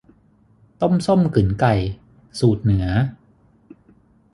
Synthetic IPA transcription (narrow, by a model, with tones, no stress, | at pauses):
t̪o˥˩mso˥˩mkɯ˩˦nka˨˩j | suː˨˩t̪̚nɯ˩˦ɐ